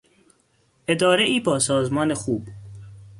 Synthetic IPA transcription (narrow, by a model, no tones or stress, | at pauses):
ʔed̪ɒːɾeʔiːbɒːsɒːzmɒːnexuːb